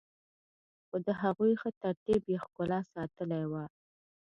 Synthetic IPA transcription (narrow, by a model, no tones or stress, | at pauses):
xod̪əɦaɣujxət̪aɾt̪ibjexkʊlɑsɑt̪əlajwa